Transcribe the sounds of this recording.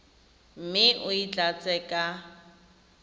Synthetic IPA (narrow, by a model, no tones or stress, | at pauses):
m̩mɪʔʊit͡ɬʼat͡sʼɛːkʼa